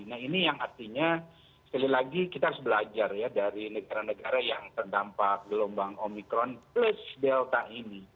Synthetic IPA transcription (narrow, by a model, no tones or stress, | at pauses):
nahinijaŋart̪iɲa | sə̥kalilaɡikit̪aɾʊsbəlad͡ʒarjadaɾinəɡaɾanəɡaɾajaŋt̪ərdampak̚ɡəlombaŋomikɾɔnplʊsdɛlt̪aʔini